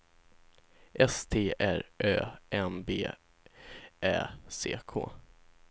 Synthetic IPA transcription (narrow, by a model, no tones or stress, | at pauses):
ʔɛst̪ʰeːʔæɾʔøːʔɛmbḛː | ʔɛːsḛːkʰo̰ː